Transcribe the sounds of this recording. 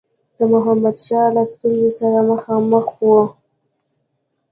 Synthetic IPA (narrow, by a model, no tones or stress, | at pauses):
d̪̥əmʊɦamad̪ʃɑlast̪unzesaɾaməxɑməxwo